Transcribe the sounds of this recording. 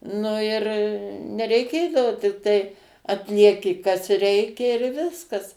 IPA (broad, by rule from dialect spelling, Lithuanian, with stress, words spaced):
ˈnʊ ɪr nʲɛrʲɛɪˈkʲeːdɐʋoː tʲɪkˈtɐɪ ɐtʲlʲiɛˈkʲɪ kɐs ˈrʲɛɪkʲɛ ɪr ˈʋʲɪskɐs